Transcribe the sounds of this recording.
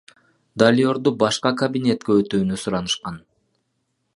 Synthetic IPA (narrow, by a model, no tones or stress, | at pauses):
d̪alʲo̞ɾd̪ubɑʃqɑkɐbʲinʲe̞t̪̚keøt̪yːnysuɾɑnɯʃqɑn